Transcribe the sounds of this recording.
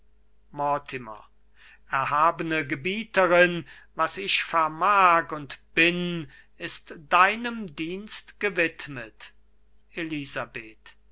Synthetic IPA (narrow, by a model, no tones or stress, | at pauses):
mɔɐtʰɪmɐ̰ | ʔɛɐɦaːbənəɡəbiːtəʁɪn | vasɪçfɛɐmaːkʊntb̥ɪn | ɪstd̥aɪnəmdiːnstɡ̥əvɪtmət | ʔelizabeːt